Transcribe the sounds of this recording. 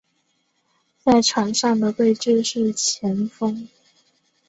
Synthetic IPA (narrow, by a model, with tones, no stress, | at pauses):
t͡sa˥˩ɪʈ͡ʂʰwa˧˥ŋʂɑ˥˩ŋd̪ə˩we˥˧ɪʈ͡ʂɻ̩˥˧ʂɻ̩˥˩t͡ɕʰjɛ˧˥nfɤ˥ŋ